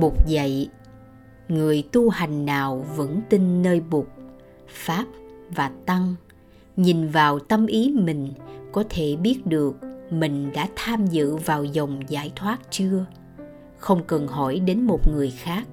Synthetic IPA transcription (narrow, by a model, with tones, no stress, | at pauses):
ɓʊ˨˩k͡p̚zə̰˧˨j | ŋɨ˨˩əjt̪u˧ha˨˩jŋ̟naː˨˩wvə̰˧˥nt̪i˧nːəː˧jɓʊ˨˩k͡p̚ | faː˦˥p̚vaː˨˩t̪a˧ŋ | ɲi˨˩nvaː˨˩wt̪ə˧mʔi˨˦mï˨˩ŋ̟kɔ˨˦t̪ʰe˧˩ɓi˦˥ət̚ɗɨ˨˩ək̚mï˨˩ŋ̟ɗa̰ː˧˥t̪ʰaː˧mzɨ̰˧˨vaː˨˩wzə˨˩wŋ͡mza̰ː˧˩jt̪ʰwaː˦˥t̚t͡ɕɨ˧ə | xə˧wŋ͡mkə˨˩nhɔ̰˧˩jɗe˨˦nmo˨˩t̚ŋɨ˨˩əjxaː˦˥k̚